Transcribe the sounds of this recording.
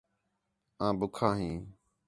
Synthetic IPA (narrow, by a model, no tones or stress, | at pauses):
ãːbʊkʰãːɦĩː